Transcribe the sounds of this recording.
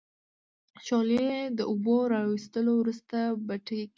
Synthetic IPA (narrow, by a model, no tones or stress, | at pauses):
ʃɑleed̪əʊboɾɑwist̪əlowɾust̪abaʈe